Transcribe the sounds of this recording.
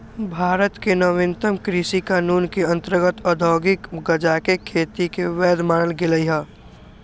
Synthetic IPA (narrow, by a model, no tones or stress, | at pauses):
bʱaːɾət̪kenəʋẽnt̪əmkɾɪsikaːnuːnkeə̃nt̪əɾɡət̪əd̪ʱɔːɡɪkɡəd͡ʒakekʰeːt̪ikeʋɛːd̪maːnəlɡɪləiɦaː